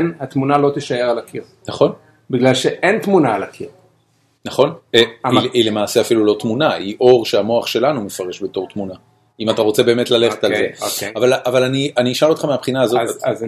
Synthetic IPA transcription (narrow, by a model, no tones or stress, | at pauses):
nhat̪munalo̞t̪iʃaeʁalakʰiʁnaχo̞n | biɡlalʃeʔent̪munaːlakʰiʁ | naχo̞neiile̞maːse̞afilulo̞tmunaiʔo̞ʁʃe̞amo̞aχʃe̞lanumefaʁe̞ʃbe̞to̞ʁt̪muna | imataʁo̞t͡se̞be̞ːmetlale̞χet̪alzekeavalavalanianiːʃalot̪χameapχinaːzot